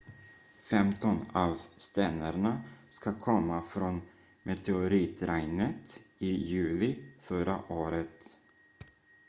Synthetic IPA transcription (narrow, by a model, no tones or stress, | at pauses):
fɛmt̪ɔnɑvst̪ɛnaɾɳaskakʰɔmːafɾɔn | mʔɛt̪ʰɛʊɾiːt̪ʰɾæjnət̪ɪjʉ̟ːlɪfœɾa̰ʔoːɾət̪